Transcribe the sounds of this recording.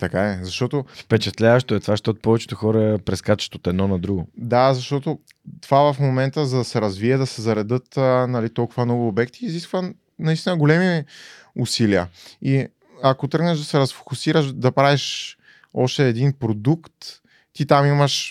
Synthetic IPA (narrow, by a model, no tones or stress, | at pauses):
t̪ɐkaɛzɐʃt̪ɔt̪ofpɛt͡ʃɛt̪lʲavəʃt̪oɛt̪ovaʃt̪ot̪pɔvɛt͡ʃɛ̥t̪oxɔɾəɛpɾɛskat͡ʃɛ̥ʃt̪ot̪ɛd̪nɔnɐd̪ɾuɡod̪azɐʃt̪ɔt̪o | t̪ovavɐfmomɛnt̪əzɐd̪ɐsɛɾɐzviɛd̪ɐsɛzɐɾɛd̪ɤt̪nɐlit̪ɔlˠkʊvɐnɔɡʊːbɛkt̪iːziskvə | nɐist̪inəɡolɛmi | ʊsiliə̰i | ɐkot̪ɾɤɡnɛʒd̪ɐsɛɾɐsfo̥kʊsiɾəʃd̪ɐpɾaviʃ | ɔʃt̪ɛːd̪inpɾod̪ukt̪ː | it̪amimɐʃ